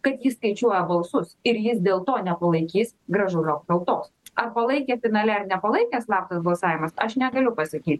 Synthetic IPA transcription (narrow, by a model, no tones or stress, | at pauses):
kɐt̪jɪsskɐɪt͡ʃʲuɔjɛbɐlˠsʊsɪɾjɪsd̪ʲeːlˠt̪oːnʲɛpɐlˠɐɪkʲiːsɡɾɐʒʊɾoːpkɐlˠt̪oːsɐrpɐlˠɐɪkʲeːfʲɪnɑːlʲɛrnʲɛpɐlˠɐɪkʲɛːslˠɑːp̚t̪ɐsbɐlˠsɑːʋʲɪmɐsɐʃnʲɛɡɐlʲʊpɐsɐkʲiːt̪ʲ